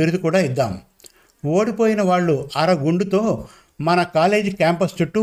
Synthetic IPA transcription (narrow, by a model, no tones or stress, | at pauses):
iɾud̪ukuːɽaːid̪ːa̰ːm | oːɽipo̞ːjinɐʋaːɭːuɐɾɐɡuɳɖut̪o̞ː | mɐnɐkaːle̞ːd͡ʒikaːmpɐst͡ʃuʈːu